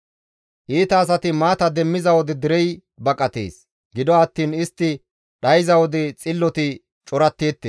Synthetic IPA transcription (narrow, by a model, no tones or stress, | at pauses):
ʔiːt̪ɐːs̬ɐt̪ɪmaːt̪ɐd̪ɛmːɪzɐwɔd̪ɪd̪ɪɾɛj | bɐkʼɐt̪ḛːs | ɡɪd̪ɔɐt̪ːiːnɪst̪ːɪ | ɗɐjɪzɐwɔd̪ɪt͡sʼɪlːɔt̪ɪ | t͡ʃʼɔɾɐt̪ːeːt̪ːeː